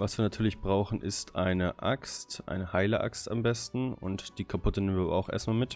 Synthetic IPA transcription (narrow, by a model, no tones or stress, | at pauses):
vasv̥iːɐnatʰyːɐlɪçb̥ʁaʊxn̩ʔɪ̰stʔaɪnəʔakstʔa̰ɪnəhaɪləʔa̰ksta̰mbɛstn̩ʊ̰ntd̥iːkʰapʰʊtənemənviɐabɐ̰aʊxʔḛɐstmaːlmɪt